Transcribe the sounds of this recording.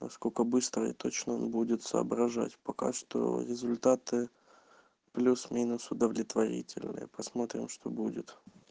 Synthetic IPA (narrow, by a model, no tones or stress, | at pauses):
nɐskokəbɨst̪ɾəɪ̰t̪o̞t͡ɕnəo̞nbudʲɪt̪sə̰ːbɾɐʐatʲpɐka̰ʂt̪o̞̰ɾʲɪzʊlʲt̪at̪ɨ | plʲusmʲinʊsʊd̪əvlʲɪt̪vɐɾʲḭtʲɪlʲnɨ̰jəpɐsmo̞t̪ɾʲɪmʂt̪o̞budʲɪt̪